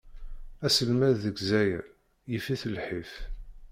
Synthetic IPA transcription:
æsəlmæððəɡzæjæ̰ | jəfiθəlħif

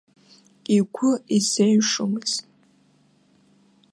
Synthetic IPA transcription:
ikʷʰʊisejʂɨmɨz

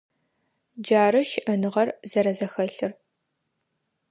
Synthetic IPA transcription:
d͡ʒaːɾɐʃɪʔɐnɨʁɐrzɐɾɐzɐxɐɬɨr

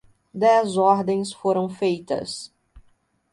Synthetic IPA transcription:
d̪ɛzɔɾd̪ẽj̃sfoɾɐ̃w̃fejt̪ɐ̰s

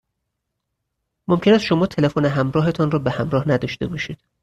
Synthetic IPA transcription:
momcʰe̞næsʃo̞mɒːt̪ʰe̞lefoneɦæmɾɒːɦe̞t̪ʰɒːnrɒːbehæmɾɒːhnæd̪ɒːʃt̪e̞bɒːʃiːd̪̥

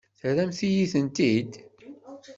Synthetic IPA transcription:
θəɾæmθijiθənt̪id̪

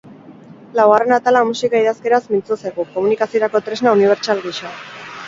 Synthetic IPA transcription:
lawɣare̞nat̪alamusikaiðaske̞ɾasmint͡suseɣuko̞munikasio̞ɾako̞t̪ɾe̞znauniβ̞e̞ɾt͡ʃalɣiʃo

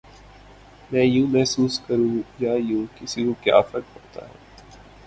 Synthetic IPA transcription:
mɛ̃ːjũːmɛɦsuːskɐɾũːjajũːkɪsikokja̰ːfəɾkɦoːt̪a̰ɦɛ̰ː

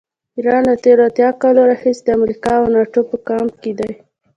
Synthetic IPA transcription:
iɾɑnlat̪eɾoat̪jɑkɑloɾaxisd̪əamɾikɑawnɑʈopəkɑmked̪aj

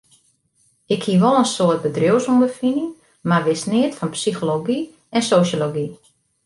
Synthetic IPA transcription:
ɪkhiəʋɔlˠənsoət̚bədrowsundəfinə | marʋɪsnɪətfɔnpsixoloɡi | ɛnsosoloɡi

